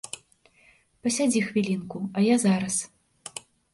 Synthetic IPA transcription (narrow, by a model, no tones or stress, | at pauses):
pɐsʲad͡zʲixvʲilʲinkuɐjazaɾɐs